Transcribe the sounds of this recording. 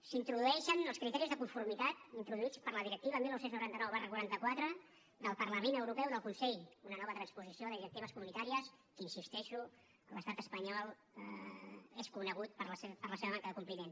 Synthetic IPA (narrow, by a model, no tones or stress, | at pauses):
sint̪ɾuðuɛʃənəlˠskɾit̪ɛɾizðəkuɱfuɾmit̪at̪int̪ɾuðuit͡spəɾləðiɾək̚t̪iβəːmilnːowsenznuɾant̪ənɔwβarəkwuɾant̪əkwat̪ɾə | d̪əlˠpərləmenəwɾupɛwðəlˠkunsɛʎunənɔβət̪ɾənspuzisioðəðiɾək̚t̪iβəskumunit̪aɾiəskəinsist̪ɛʃu | ələst̪at̪əspəɲɔlˠ | eskunəɣ̞ut̪̚pəɾləsepəɾləseβəmaŋkəðəkumplimen